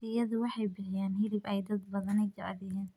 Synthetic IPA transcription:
ɪjɐðʊwɑħɑjbɪħɪjaːnhɪlɪbɛjd̪ɐd̪̚bɐðɐnɛjd͡ʒɐ̰ʕd̪ɛjɛːn

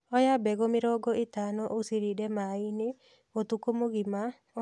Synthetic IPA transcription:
ɔjabɛɣomɪɾɔɡɔetanɔʔosiɾidɛmaine | otukomoɣima

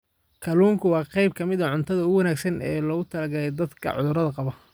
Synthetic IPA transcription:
kʰɐluːŋkʰʊwɑːqɑjb̚kʰɐmɪðɐʕʊnt̪ʰɐðɐɣwɑnaːɡsɐnɛːlɔːɣʊt̪ʰɐlɐɡɐlɛjd̪ɐd̪kʰɐ̰ʕʊ̰ðʊɾɐðɐqɑβɐ

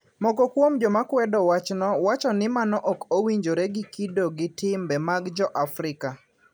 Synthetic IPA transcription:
mɔkɔkwomd͡ʒɔmakwɛdɔwat͡ʃnɔwat͡ʃɔnɪmanɔʔɔkowiɲd͡ʒoɾɛɡikidoɡɪtɪmbɛmaɡd͡ʒɔʔafrɪka

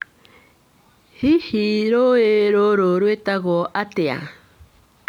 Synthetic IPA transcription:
hihiɾoeɾoɾoɾwet̪aɣoʔat̪ea̰

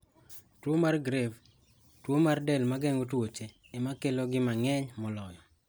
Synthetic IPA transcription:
twomarɡɾev | twomardɛlmaɡɛŋotwot͡ʃeːmakeloɡɪmaŋɛɲmɔlɔjɔ

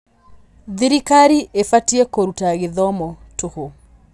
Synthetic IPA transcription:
ðiɾikaɾiʔefatiekoɾutaɣɪðɔmɔtʊho

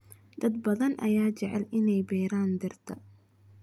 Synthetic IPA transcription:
d̪̥ɐd̪̚bɐðɐnʔɐ̰jaːt͡ʃɛʕɛlɪnɛjbɛːɾaːnd̪ɪrt̪ʰɐ̰

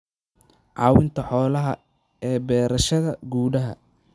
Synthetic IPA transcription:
ʕɑːwɪnt̪ʰɐħɔːlɐɦɐ | ɛːbɛːɾɐʃɐðɐɡuːɽɐɦɐ̰

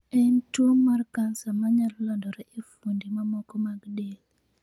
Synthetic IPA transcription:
ɛntwomːarkansamaɲalːɔndɔɾɛefundimamɔkɔmaɡdel

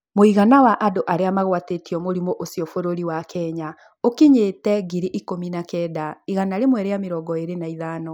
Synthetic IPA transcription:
moiɣanawaʔadoʔaɾeamaɣwatetiɔmoɾimoʔosiɔfoɾoɾiwakɛɲa | okiɲeːtɛɡiɾiʔikominakɛːdaiɣanaɾemwɛɾeameɾɔːɡɔeɾenaiðanɔ

